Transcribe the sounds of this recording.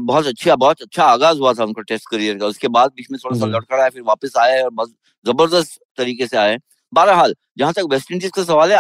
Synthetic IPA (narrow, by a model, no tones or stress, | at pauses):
bɔɦɔt̪ɐtːʃʰabɔːt̪ɐtːʃʰaaːɣaːzɦuat̪ʰaʊnkaʈeːsʈkɐɾijəɾkaʊskebaːd̪̚biːt͡ʃʰmẽt̪ʰoːɽas̬alɐɽkʰəɽaɦefɪɾʋaːpəsaːjaɛɔːɾbɔːt̪ | zɐbəɾd̪əst̪ | t̪ɐɾiːkeseaːeɛː | baːɾɦaːl | d͡ʒɐɦãt̪ɐkʋɛːsʈə̃ɳʈizkas̬ɐʋaːlɦɛ